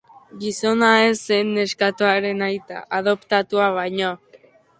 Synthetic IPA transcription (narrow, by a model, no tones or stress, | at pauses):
ɡiso̞naesenːeskat̪uaɾe̞najt̪a̰ʔaðo̞pt̪at̪uaβ̞ajɲo